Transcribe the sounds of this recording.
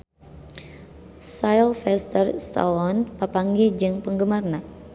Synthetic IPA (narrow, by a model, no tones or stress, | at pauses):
sajlfɛst̪ərst̪a̰lɔnpapaŋɡed͡ʒɨŋpəŋɡəmarna